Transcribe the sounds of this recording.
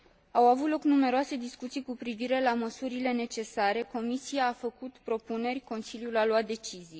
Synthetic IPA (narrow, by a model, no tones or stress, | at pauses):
awavut̪lo̞knume̞ɾoase̞d̪iskut̪sijkupɾiviɾe̞laməsuɾile̞ne̞t͡ʃe̞saɾe̞ko̞misijaːfəkut̪pɾo̞pune̞rʲko̞nsiljulaloat̪̚d̪e̞t͡ʃizij